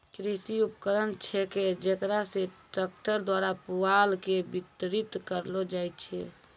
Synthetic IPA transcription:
kɾisiupkəɾənt͡ʃʰɛked͡ʒekɾaseʈəkʈəɾd̪waɾapualkebit̪ɾit̪kəɾlod͡ʒajt̪t͡ʃʰɛ̰

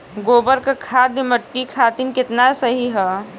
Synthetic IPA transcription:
ɡoːbəɾkakʰad̪iməʈːikʰat̪inkɪt̪nasəɦiɦɛ

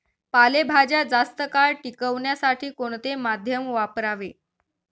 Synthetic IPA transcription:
palebʱad͡ʑjad͡zast̪əkaɭʈikəʋɳjasaʈʰiːkoɳt̪emad̪ʱjəmʋapɾaʋe

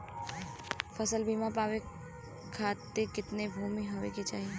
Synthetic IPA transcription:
fəsəlbʱimãpaːʋe | kʰat̪eɾkɪt̪nebʱumiɦəʋḛket͡ʃa̰ːɦie

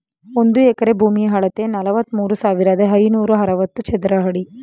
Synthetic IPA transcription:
ond̪uɛkɐɾebʱuːmijɦɐɭɐt̪enɐlɐʋɐt̪ːmuːɾusaːʋiɾad̪ɐɦɐjnuːɾuɦɐɾɐʋɐt̪ːut͡ʃɛd̪ɾɐɦɐɽi

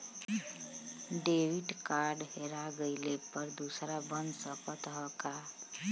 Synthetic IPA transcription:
ɖewiʈkaɾɖɦeɾaɡəɪlepəɾd̪usɾabənsəpət̪ɦɔka

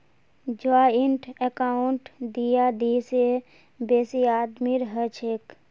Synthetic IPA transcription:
d͡ʒaɪɳʈʰekaːɳʈd̪ijad̪iːse | beːsiaːd̪miɾɦət͡ʃʰeːk

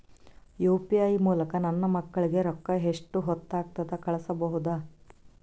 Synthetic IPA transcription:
juːpijɐjmuːlɐkɐnɐnːɐmɐkːɐɭiɡe̞ɾɔkːɐɦeʂʈːuɦɔt̪ːaːɡ̚t̪ɐd̪ɐkɐɭɐsɐbɐɦud̪aː

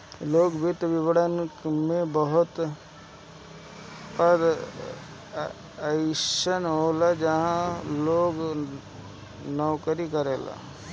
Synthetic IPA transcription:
loːɡbɪt̪ʋɪʋəɽənmẽbəɦʊt̪ | pəd̪ | əɪʃənɦoːlad͡ʒəɦãloːɡ | nəwkəɾikəɾeːla̰

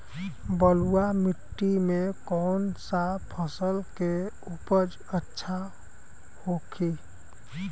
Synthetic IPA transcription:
bəluwamɪʈːimẽkɔːnsapʰəsəlke | upəd͡ʒ | ətːʃʰa | hokʰi

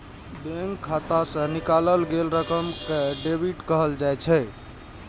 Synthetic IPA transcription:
bẽŋkʰːat̪asə̃nikaləlɡelɾəkəmkeɖebiʈkəɦəld͡ʒajt͡ʃʰɛ

